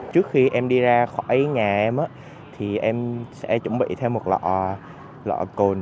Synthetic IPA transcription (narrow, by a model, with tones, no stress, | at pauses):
t͡ɕɨ˦˥ək̚xi˧ʔɛ˧mɗi˧zaː˧xɔ˧˩jɲaː˨˩ʔɛ˧mʔaː˧˦ | t̪ʰi˨˩ʔɛ˧msɛ̰˧˥t͡ɕʊ̰˧˩ŋ͡mɓḭ˧˨t̪ʰɛ˧wmo˨˩t̚lɔ̰˧˨˩ | lɔ̰˧˨ko˧n